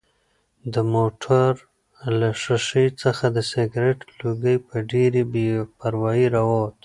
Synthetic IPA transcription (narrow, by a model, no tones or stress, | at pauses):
d̪əmoʈʰaɾ | laʂaʂəjt͡səxad̪əseɡɾeʈluɡəjpəɖeɾibepaɾwɑjiɾawot̪